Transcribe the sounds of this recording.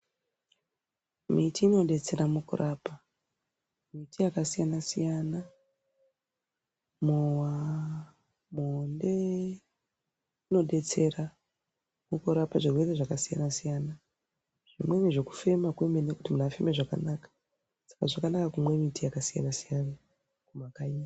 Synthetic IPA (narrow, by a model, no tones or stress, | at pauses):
mitiːno̞ɗe̞t͡se̞ɾamukṵrʔapa | mitʰijakasijanasijana | mowa | monde̞ | ino̞ɗe̞t͡se̞ɾa | mukuɾapaʐirwe̞re̞ʐakasija̰nasijana | ʐ̥imwe̞miʐe̞ku̥fe̞makwemenekutimunafemeʐaka̰naːkḁ | sḁkaʐakanakakumwe̞mitijakasija̰nasijana | kumakai